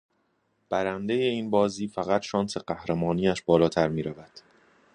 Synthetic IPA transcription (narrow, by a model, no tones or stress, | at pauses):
b̥æɾænd̪eje̞iːnbɒːziːfæɣæt̪ʃɒːnse̞ɢæhɾemɒːniːæʃbɒːlɒːt̪ʰæɾmiːɾævæd̪̥